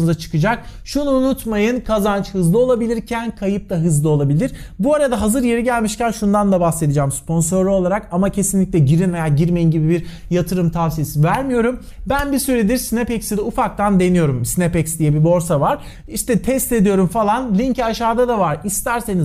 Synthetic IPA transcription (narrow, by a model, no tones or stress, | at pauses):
zat͡ʃʰɯ̥kɯd͡ʒak̚ʃunuːnut̪majɯnkʰazant͡ʃhɯzlˠɯo̞lˠabilʲiɾcʰænkʰajɯp̚d̪aɦɯzlˠɯo̞lˠabilʲiɾ̥buaɾad̪aɦazɯɾje̞ɾiɟælʲmiʃcænʃund̪and̪abase̞d̪id͡ʒaːmspo̞nso̞ɾlʲio̞lˠaɾakamacʰe̞sinlʲicʲlʲɛɟiɾinve̞jaːɟiɾme̞jinɟibibiɾ | jat̪ʰɯɾɯmt̪ʰavsijesivæɾmijo̞ɾum | bænbisyɾed̪iɾsinepɛcsid̪ɛufak̚t̪and̪e̞nijo̞ɾumsinepɛcsd̪ijɛbibo̞ɾsavaɾ̥ | iʃt̪ɛt̪ʰɛst̪e̞d̪ijo̞ɾumfalˠanlʲiɲcaʃaːd̪ad̪avaɾist̪ʰæɾse̞niz